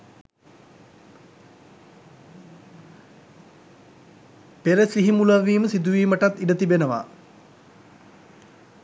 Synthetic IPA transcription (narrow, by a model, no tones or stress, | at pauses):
peɾəsiɦimulɐʋiːməsid̪uʋiːməʈat̪ːiɖət̪ibenəʋa̰